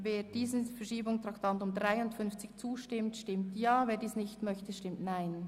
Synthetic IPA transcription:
veːɾd̥iːzənfɛɐʃiːbʊŋstʁaktʰantʊmdʁaɪʊntfʏnft͡sɪçt͡suːʃtɪmtʃtɪmtjaːveːdiːsnɪçtmœçtəʃtɪmtnaɪn

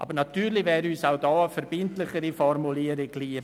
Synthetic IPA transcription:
ʔɑ̰bəɾnɑtyːɾlɪvɛːɾyːsaʊdɑːəfɛɾb̥ɪntlɪχəɾifɔrmuliːəɾɪɡliə

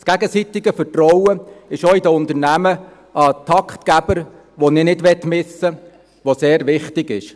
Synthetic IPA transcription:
skæɡəsit̪ɪɡəfətrɔwəɪʃoɪdəʊnt̪əɾnæmə | ʔɑtʰɑkχt̪kæb̥əɾ | ʋonɪːnɪdʋɛtmɪsə | ʋoseːɾʋɪχtɪɡɪʃ

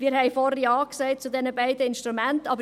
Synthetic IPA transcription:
miːɾɦɛɪfɔɾəjɑːksɛɪt̚t͡sudɛnəbaɪdəɪnʃtɾumæntɑbə

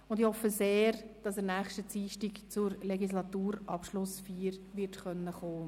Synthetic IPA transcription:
ʊndɪhɔfəseːɾd̥ɑsɛːnɛːχʃtət͡siːʃtikt͡sʊɾleɡislɑtuːɾʔɑpʃlʊsfiːɾʋɪɾtχœnːəχoː

